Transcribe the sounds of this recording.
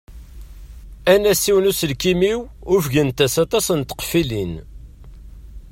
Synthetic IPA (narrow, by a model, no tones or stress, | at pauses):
ænæsiwnusəlkimiwʊfʝənt̪æsɑt̪ɑsənt̪ə̥qfilin